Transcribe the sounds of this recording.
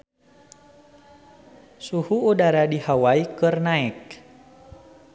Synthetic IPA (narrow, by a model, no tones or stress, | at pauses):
suhuudaɾadihawaikɨrnaɛk̚